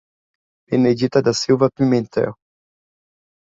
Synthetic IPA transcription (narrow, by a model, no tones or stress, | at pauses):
ened͡ʒit̪ad̪asiwvapimẽnt̪ɛ̰w